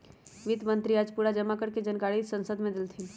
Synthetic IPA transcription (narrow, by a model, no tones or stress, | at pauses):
ʋid̪mə̃nt̪ɾiaːd͡ʒpuːɽad͡ʒɐmakəɾked͡ʒɐnkaːɽisɐ̃nsəd̪mẽd̪ɪlt̪ʰi